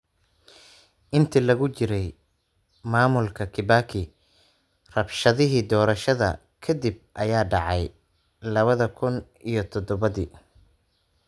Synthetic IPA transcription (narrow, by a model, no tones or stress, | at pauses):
ʔɪnt̪ʰilɐɣʊt͡ʃɪɾɛj | maːmʊlkʰɐkʰɪbaːkʰɪ | rɐbʃɐðɪɦiːd̪ɔːɾɐʃɐðɐ̰ | kʰɐd̪ib̚ʔɐjaːɖɑʕɑj | lɐβɐðɐkʰʊn | ijɞt̪ʰɔd̪ɔβɐðḭː